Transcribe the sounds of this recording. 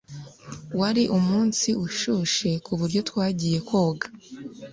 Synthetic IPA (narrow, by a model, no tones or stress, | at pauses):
waɾiʔumuːnsiʔuʃuʃe̞kuβuɾɟo̞twaːɟije̞kwoːɡḁ